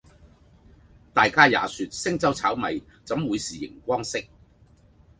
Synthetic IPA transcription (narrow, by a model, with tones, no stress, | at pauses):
t̪aː˨jkaː˥ja̰ː˨˧syː˨t̚sɪ˥ŋt͡sɐ˥wt͡sʰaː˨˥wmɐ˨jt͡sɐ˨˥mwuː˨˧jsiː˨˩jɪ̰˨˩ŋkʷɔː˥ŋsɪ˥k̚